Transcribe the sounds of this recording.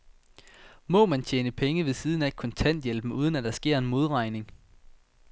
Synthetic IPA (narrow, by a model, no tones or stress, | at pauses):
mɒ̽mænt͡ɕʰeːnəpʰeŋəʋe̝siːð̞ˠnæe̝̥kʰɒ̽nt͡sʰæn̰d̥jelb̥m̩uːð̞ˠən̩æd̥ɑ̈sɡ̥e̝ɐ̰e̝nmo̝ðˠʁɑ̈ɪne̝ŋ